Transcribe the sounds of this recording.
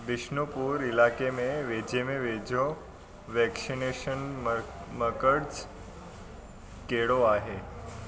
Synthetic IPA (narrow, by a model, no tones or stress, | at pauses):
d̪iʃɳəpuɾilakemeʋed͡ʑemeʋed͡ʑʱo | ʋɛksineʃən | məkəɽt͡s | keɭoaɦe